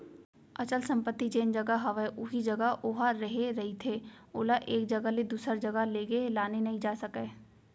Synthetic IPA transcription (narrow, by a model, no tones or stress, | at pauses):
ɐt͡ʃəlsɐ̃mpət̪ːid͡ʒeːnd͡ʒɐɡaɦɐʋeʔʊɦid͡ʒɐɡəoɦaɾɐɦeɾɐɦit̪ʰeːʊːlaʔeːk̚d͡ʒɐɡəled̪uːsəɾd͡ʒɐɡəleːɡelaːnenɐɦĩd͡ʒaːsɐkeː